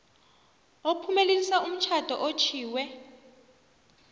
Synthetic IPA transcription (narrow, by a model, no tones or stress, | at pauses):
opʰumelelisaum̩t͡ʃʰad̥ʱɔ̰ʔot͡ʃʰiːwɛ